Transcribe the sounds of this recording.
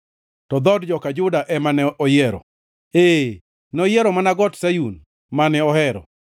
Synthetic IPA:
tɔd̪ɔdd͡ʒɔkad͡ʒʊdaʔɛmanɛʔɔjeɾɔ̰ | e | nɔjeɾɔmanaɡɔtsajun | manɛɔhɛɾɔ̰

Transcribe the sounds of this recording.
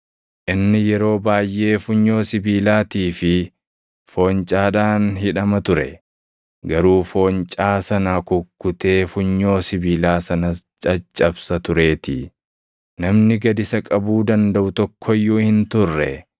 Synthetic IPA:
ʔɪnːɪjɛɾo̞ːbaːjʔːe̞ːfʊɲːo̞ːsɪbiːlaːt̪iːfɪ | fo̞ːɲt͡ʃʼaːᶑaːnɦɪᶑɐmɐt̪ʊɾɛ̰ | ɡɐɾuːfo̞ːnt͡ʃʼaːsɐnakʊkːʊt̪e̞ːfʊɲːo̞ːsɪbiːlaːsɐnɐst͡ʃʼɐt͡ʃʼːɐbsɐt̪ʊɾe̞ːt̪ɪ̰ | nɐmnɪɡɐd̪ɪsɐkʼɐbuːd̪ɐnd̪ɐʔʊt̪ɔkʰːɔjːuːhɪnt̪ʊrːɛ

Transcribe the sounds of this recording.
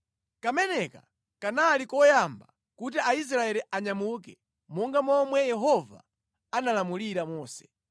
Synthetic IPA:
kamɛnɛka | kanalikɔjamba̰ | kut̬iais̬ɾaɛɾiʔaɲamukɛ | mɔŋɡamɔmwɛjɛɦɔva̰ | analamuliɾamɔːsɛ̥

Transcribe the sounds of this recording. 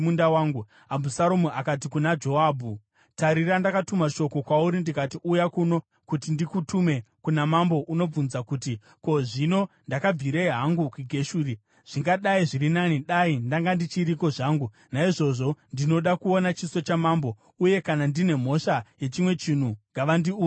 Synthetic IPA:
undawaːŋɡu | abʱusaɾomuʔakat̬ikunad͡ʒo̞aːbʱu | taɾirandakatumaʃo̞ko̞kwauɾindikatiʔujakuno̞ | kutindikutume̞kunamambo̞ʔuno̞b͡vunzakuti | ko̞ʐino̞ | ndakab͡viɾeiɦaŋɡukiɡʱe̞ʃuːri | ʐ̥iŋɡaɗaiʐiɾinaniɗaindaŋɡandit͡ʃiɾiko̞ʐaːŋɡu | naiʐo̞ʐo̞ndino̞ɗakuonat͡ʃiso̞t͡ʃamaːmbo̞ | uje̞kanandine̞m̤o̞ʃaje̞t͡ʃimwe̞t͡ʃin̤uŋɡaʋandiuː

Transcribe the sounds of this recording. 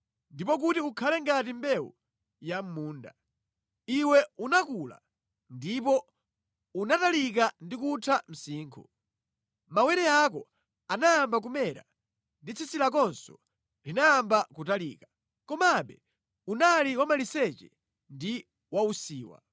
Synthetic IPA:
ndipɔk̬utiukʰalɛŋɡat̬imbɛwṵ | jam̩muːnda̰ | iwɛunakula̰ | ndip̬ɔ | unatalik̬andikutʰam̩siːŋkʰṵ | mawɛɾɛak̬ɔ | anajambak̬umɛɾa̰ | ndit͡sʰisilak̬ɔnsɔ | linaːmbakutaliːka | kɔmaɓɛ | unaliwamalisɛt͡ʃɛ̰ | ndi | wausiːwa̰

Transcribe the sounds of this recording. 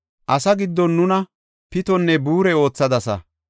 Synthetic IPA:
ʔɐsɐɡɪd̪ːɔnːʊnɐ | pɪt̪ɔnːɛbuːɾɛo̞ːt͡sːɐd̪ɐsɐ̰

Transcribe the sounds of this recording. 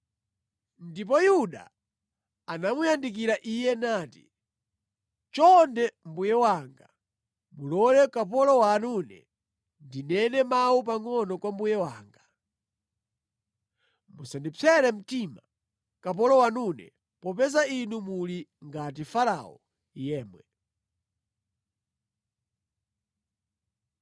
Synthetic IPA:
ndip̬ɔjuɗa̰ː | namujandik̬iɾaʔijɛnaːti | t͡ʃɔndɛmbujɛwaŋɡa | mulɔlɛkap̬ɔlɔwaːnunɛ̰ | ndinɛnɛmawup̬aŋɔnɔkwambujɛwaːŋɡa | musandipʰɛɾɛm̩tima | kap̬ɔlɔwanunɛ̰ | pɔpɛzainumuliŋɡatifala̰ɔ̰ | jɛːmwɛ

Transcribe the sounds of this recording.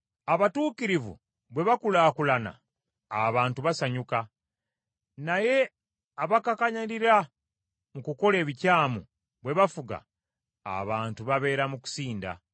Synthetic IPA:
aβatuːkiɾivṵ | βwe̞βakulaːkulana̰ː | βaːntuβasaɲuka | naje̞ | aβakakaɲaɾiɾa | mukuko̞le̞ːβicaːmu | βwe̞βafuɡa̰ː | βaːntuβaβe̞ːɾamuku̥siːnda̰

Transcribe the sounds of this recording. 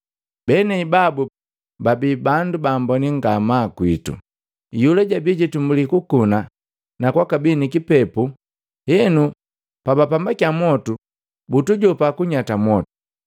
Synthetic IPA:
bɛnɛibabu | babibandubaːmbɔniŋɡamakwitṵ | julɛɟabiɟitumbulikukuna | nakwakabinikipɛpu | hɛnu | pabapambakiamwɔtu | butuɟɔpakuɲatamwɔtu̥

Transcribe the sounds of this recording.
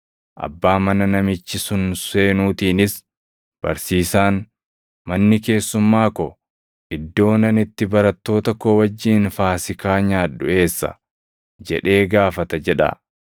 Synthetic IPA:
ʔɐ̰bːaːmɐnɐnɐmɪt͡ʃːɪsʊnse̞ːnuːt̪iːnɪs | b̥ɐ̰ɾsiːsaːn | mɐnːɪke̞ːsːʊmːaːkɔ | ʔɪd̪ːo̞ːnɐnɪt̪ːɪbɐɾɐt̪ːo̞ːt̪ɐkowɐd͡ʒːiːnfaːsɪkaːɲaːᶑʊʔe̞ːsːɐ̰ | d͡ʒɛ̰ᶑe̞ːɡaːfɐt̪ɐd͡ʒɛᶑɐ̰

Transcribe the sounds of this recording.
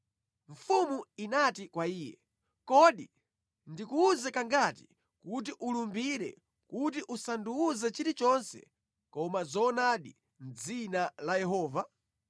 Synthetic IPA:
ɱ̩fumuinatikwaiːjɛ̰ | kɔɗi | ndikuːzɛkaŋɡati̥ | kut̬iʔulumbiɾɛ̰ | kutiʔusanduːzɛt͡ʃiɾit͡ʃɔnsɛ̰ | kɔmazɔːnaɗi | m̩d͡zinalajɛɦɔːva

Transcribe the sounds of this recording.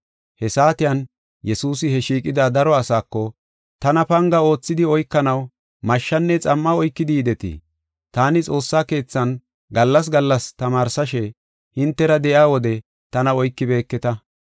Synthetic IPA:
hɛsaːt̪ɪjɐn | jɛsuːsɪhɛʃiːkʼɪd̪ad̪ɐɾɔɐsaːkːɔ | t̪ɐnɐpɐŋɡɐo̞ːt͡sːɪd̪ɪɔjkːɐnɐw | mɐʃːɐnːɛt͡sʼɐmːɐɔjkːɪd̪iːd̪ɛt̪ḭ | t̪aːnɪt͡sʼo̞ːsːaːke̞ːt͡sːɐn | ɡɐlːɐs̬ɡɐlːɐst̪ɐmaːɾsɐʃɛ | hɪnt̪ːɛɾɐd̪ɛjaːwɔd̪ɛ | t̪ɐnɐɔjkːɪbe̞ːkːɛt̪ɐ

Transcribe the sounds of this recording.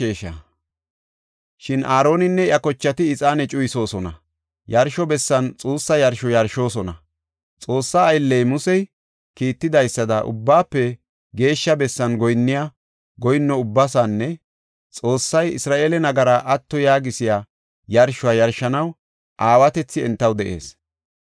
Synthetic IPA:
eːʃɐ | ʃɪnʔaːɾo̞ːnɪnːɛɪjɐkɔt͡ʃːɐt̪ɪːt͡sʼaːnɛt͡ʃʼʊjɪso̞ːsɔnɐ | jɐɾʃɔbɛsːɐnt͡sʼuːsːɐjɐɾʃɔjɐɾʃo̞ːsɔnɐ | t͡sʼo̞ːsːaːjlːɛjmʊsɛj | kiːt̪ːɪd̪ɐjsːɐd̪ɐʔʊ̰bːaːpːɛ | ɡe̞ːʃːɐbɛsːɐnɡɔjnːɪjaː | ɡɔjnːɔʊbːɐsanːɛ | t͡sʼo̞ːsːɐjɪsɾaːʔeːlɛnɐɡɐɾaʔɐt̪ːɔjaːɡɪsɪjaː | jɐɾʃʊwaːjɐɾʃːɐnɐw | ʔaːwɐt̪ɛt͡sːɪɛ̰nt̪ːɐwd̪ɛʔe̞̰ːs

